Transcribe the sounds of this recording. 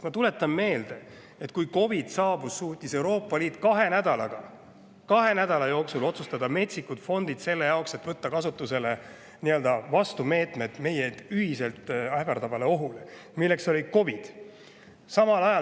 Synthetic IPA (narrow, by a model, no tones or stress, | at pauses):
mɑt̪ule̞t̪ːˑɑmːme̞ːld̪̥e̞ | et̪ˑkujko̞vid̪̥sɑːbusːuːt̪ʲːise̞wɾo̞ːpˑːɑliːt̪ːˑkɑɦe̞næd̪̥ɑlɑɡ̥ɑ | kɑɦe̞næd̪̥ɑlɑjo̞ːksulo̞t̪sust̪ɑd̪ɑme̞t̪ʲsikut̪fo̞nd̪̥id̪̥se̞lːe̞jɑokse̞t̪ːˑv̥ɤt̪ːɑkɑsut̪ːˑuse̞le | niø̞ld̪ɑvɑst̪ume̞ːt̪ˑme̞d̪̥me̞jed̪̥yɦise̞lt̪ˑæhvɑɾt̪ɑvɑle̞o̞ɦulemilːe̞kso̞lʲiko̞vid̪̥ | sɑmɑlɑjɑ